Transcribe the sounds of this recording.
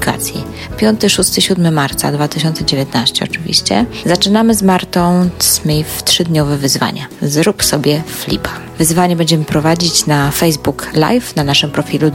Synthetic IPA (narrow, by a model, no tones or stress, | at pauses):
ika̰t̪sʲjḭ | pʲjɔnt̪ɘʂust̪ɘɕud̪mɘmaɾt̪sa̰d̪vat̪ɘɕ̬ɔnt̪sɛd͡ʑevʲjɛt̪naɕt͡ɕɛɔ̰t͡ʂɘvʲḭɕt͡ɕɛ̰zat͡ʂɘnamɘzmaɾt̪ɔ̃w̃smʲejft̪ʂɘd̪ɲɔvɛvɘzva̰ɲazɾupsɔbʲjɛflʲḭpa | vɘzvaɲɛbɛɲd͡ʑɛmɘpɾɔvad͡ʑit͡ɕnafɛjzbukla̰jfnanaʂɘmpɾɔfʲilu